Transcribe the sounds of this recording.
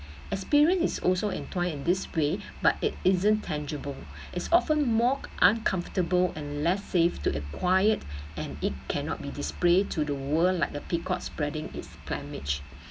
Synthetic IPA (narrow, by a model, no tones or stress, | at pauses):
ʔɛkspiɹiə̃nsisɔ̰lsoʔɛ̰̃ntʰɔ̃ɪ̃nĩndɪswe | batɪtɪzə̃ntʰɛ̃nd͡ʒəbəl | ʔɪtsɔfə̃nmɔʔãnkʰãɱftəbəlɛ̃nlɛsːeftuʔəkʰwajətɛ̃nit̚kʰɛ̃nɔ̰t̚bidispletʰudəwəllaɪk̚dəpikʰɔtspɹɛdɪ̃ŋɪ̰tspʰlɛ̰̃mɪt͡ʃ